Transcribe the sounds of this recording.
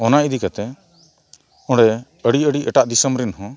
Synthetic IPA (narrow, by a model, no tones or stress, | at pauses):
ɔnaʔid̪ikat̪ɛ | ɔ̃ɽɛ | əɽiəɽiʔɛʈaʔd̪isəmɾinɦɔ̃